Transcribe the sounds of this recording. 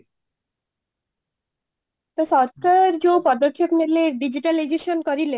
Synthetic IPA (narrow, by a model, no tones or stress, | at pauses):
t̪ɔsɔɾkaɾeɾd͡ʑopɔd̪okʰːepneleɾɖid͡ʑiʈalid͡ʑeʃonkoɾile